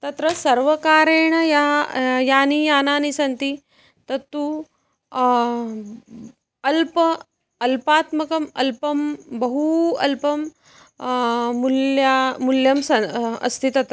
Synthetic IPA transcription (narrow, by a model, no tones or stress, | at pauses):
t̪ɐt̪ɾəsɐɾʋəkaːɾeɳɐjajaːnijaːnaːnisɐnt̪i | t̪ɐt̪ːu | ɐlpə | ɐlpaːt̪mɐkɐmɐ̰lpɐmbɐɦuɐ̰lpɐm | muljamuljɐmsɐɐ̰st̪ʰit̪ɐt̪ɾə